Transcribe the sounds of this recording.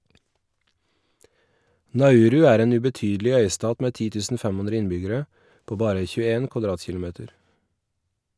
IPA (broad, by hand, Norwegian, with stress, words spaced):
nɑˈʉːɾʉ ˈæːɾ ˈeːn ʉbɛˈtyːdlɪ ˈœʏˌstɑːt ˈmeː ˈtiː ˈtʉːsn̩ ˈfæm ˈʉnɾə ˈɪnbʏɡəɾə ˈpoː ˈbɑːɾə çʉːəˈeːn kʋɑˈdɾɑːtçɪlʊˌmeːtəɾ